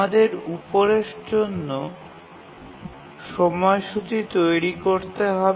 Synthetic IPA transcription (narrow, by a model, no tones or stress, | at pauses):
ad̪eɾupoɾeʃd͡ʑonːo | ʃɔmɔeʃut͡ɕit̪ojɾikoɾt̪eɦɔb